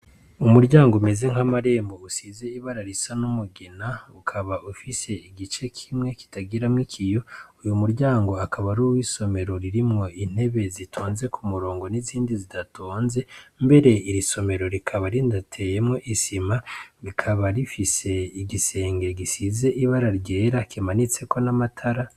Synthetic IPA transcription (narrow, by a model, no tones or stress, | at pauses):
umuɾɟaːŋɡome̞ze̞ŋ̥amaɾe̞ːmbo̞usiːze̞iβaɾaɾisanumuɡenaukʰaβaufise̞iɡit͡ʃe̞kʰimŋe̞ki̥taɡiɾamŋikʰijo̞ujumuɾɟaːŋɡo̞akʰaβaɾuwiso̞me̞ɾo̞ɾiɾimŋo̞in̥e̞βe̞zitʰoːnze̞kʰumuɾo̞ːŋɡo̞niziːndizidatʰoːnze̞mbe̞ɾe̞iɾiso̞me̞ɾo̞ɾikʰaβaɾindatʰe̞je̞mŋo̞ʔisimaɾikʰaβaɾifise̞iɡise̞ːŋɡe̞ɡisize̞ʔiβaɾaɾɟe̞ːɾakimanit͡se̞ko̞namatʰaɾa